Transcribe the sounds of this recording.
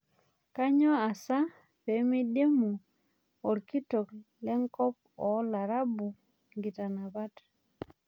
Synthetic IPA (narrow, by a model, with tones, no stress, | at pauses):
ka˦ɲɔ˦a˨sa˦ | pe˨˦mi˦de˦mu˨ | ɔ˨ɾki˦to˨klɛ˦ŋkɔ˦p̚ | ɔ˨˦la˨ɾa˦bu˨ | ŋɡi˨ta˨na˨ba˦t